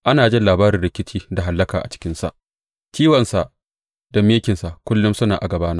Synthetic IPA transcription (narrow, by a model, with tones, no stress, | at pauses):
ʔa˦naː˨d͡ʒɪ˦nlaː˨baː˦ɾɪ˨ɾɪ˨kʲɪ˦t͡ʃiː˦da˨ɦa˨lːɐ˦kaː˨ʔa̰˨t͡ʃɪ̥˦kʲɪ˦nsa̰˦˨ʔ | kʲiː˦wɐ˨nsa˨ʔ | dɐ˨mːeː˦kʲɪ˨nsa˨ʔkʷʊ˦lːʊ˦msʊ˦naː˨ʔa˨ɡɐ˨baː˦na˦